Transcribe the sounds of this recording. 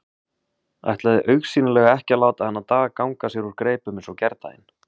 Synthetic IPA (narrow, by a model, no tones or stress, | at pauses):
a̰jht̪laðɪʔœɥxsiːnɪlɛɣaɛhcɪalaːwt̪aðhɛnːat̪aːɣakawŋkasjɛɾuɾkɾeːjpʏmɪnsɔwcɛɾt̪a̰jɪ̰n